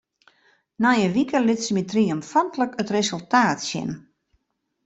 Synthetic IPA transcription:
najəʋikəlɪtsmitriɔmfɔntləkətresəlˠtaːtsjɪ̰n

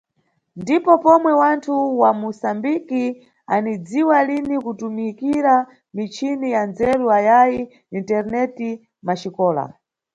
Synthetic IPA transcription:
ndipɔpɔmwɛwantʰuwamusambiki | anid͡ziwalinikutumikiɾa | mit͡ʃʰinijand͡zɛɾuajaji | intɛɾnɛti | maʃikɔːla̰

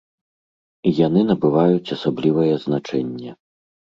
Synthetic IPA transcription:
ijan̪ɨnɐbɨvajut͡sʲasablʲivɐjɛzn̪at͡ʂɛnʲːɛ

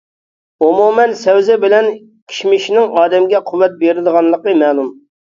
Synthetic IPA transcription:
omumɛnsɛwzɛbɪlɛn | kʲʰi̥ʃmɪʃinɪŋɑːd̪ɛmɡʲɛqʰuwɛt̪̚beɾɪd̪əʁɑnlˠəqəmɛːlˠum

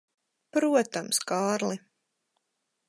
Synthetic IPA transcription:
pɾuɔt̪amskaːɾlˠi

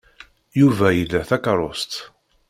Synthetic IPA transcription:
juvæjəlæθækɑɾˤost̪

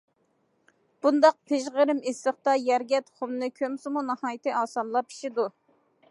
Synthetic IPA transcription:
b̥und̪ɑq̚pʰeʒʁəɾɪmesləχt̪ɑjæɾɡʲɛt̪χomnɨkʲʰømsɨmunɨhɑːjt̪ɨʔɑːsɑnlˠɑpi̥ʃid̪u

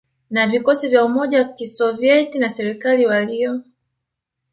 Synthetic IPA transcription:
navikɔsivjaumɔʄawakisɔviɛtinasɛɾikaliwaliɔ

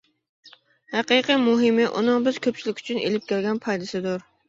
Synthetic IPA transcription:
hæqɨqijmuɦɪmɪʔṵnɨŋbɪz̥kʲʰøp̚t͡ʃʰilɪkʲy̥t͡ʃʰynʔḛlɪp̚kʲʰelɡʲɛnpʰɑjd̪ɪsɪd̪ʊɾ

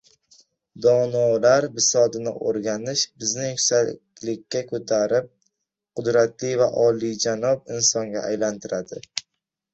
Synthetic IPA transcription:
d̪ɒnɒlaɾbɪsɒd̪ɪnɪ̰ʔo̰ɾɡʲanɪʃbɪznɪkʰʊ̥sakʲlɪkʲːakʰɵt̪ʰaɾɪp̚ | qʰʊd̪ɾat̪lijvaʔɒlid͡ʒanɒb̚ɪnsɒŋɡʲa̰ajlant̪ʰɪɾad̪ɪ

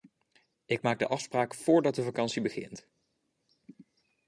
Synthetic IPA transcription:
ɪk̚maːɡ̚də̰ʔɑfspraːkfʊːɹdɑt̚dəvɑkɑnsibəχɪ̰nt

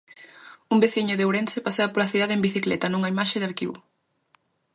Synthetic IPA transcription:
umbeθiɲʊðewɾensepaseɐpoɾɐθiðaðembiθiklɛt̪ɐnuŋɐimaʃeðaɾkiβṵ

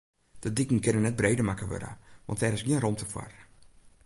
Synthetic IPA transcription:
d̥ədikŋ̩kɪnənɛt̚breːdəmakəʋø̰ɾa̰ʋɔ̰ntɛɾɪsɡiənromtʰəfwa̰r

